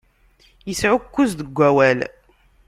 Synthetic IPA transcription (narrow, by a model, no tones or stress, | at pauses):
jəsʕʊkːuzðəɡʷːæwæl